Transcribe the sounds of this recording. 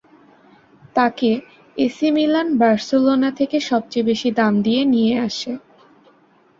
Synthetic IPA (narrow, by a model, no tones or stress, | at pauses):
t̪ake | esimilanbaɾselonat̪ʰekeʃɔb̚t͡ɕejbeʃid̪amd̪ienijeaʃe